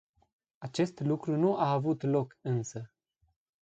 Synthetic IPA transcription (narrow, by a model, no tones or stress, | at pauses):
at͡ʃe̞st̪lukɾunuʔaːvut̪lo̞kɨnsə